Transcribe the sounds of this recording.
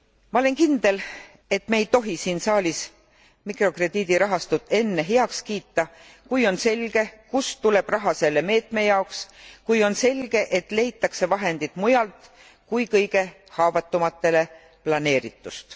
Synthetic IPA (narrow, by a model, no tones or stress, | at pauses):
mɑole̞nkind̪̥e̞l | e̞t̪meejt̪o̞ɦisiːnsɑːlʲis | mikro̞kre̞d̪̥iːd̪̥iɾɑɦɑst̪ut̪ːˑe̞nːe̞ɦeɑkskiːt̪ːɑ | kujo̞nse̞lɡ̥e̞kust̪ule̞b̥rɑɦɑse̞lːe̞me̞ːt̪me̞jɑokskujo̞nse̞lʲɡ̥e̞ʔet̪ˑle̞jt̪ːˑɑkse̞vɑɦe̞nd̪̥it̪ˑmujɑlt̪ | kujkɤjɡe̞ | hɑːvɑt̪ːˑumɑt̪ːe̞le̞ | plɑne̞ːɾḭt̪ːˑust̪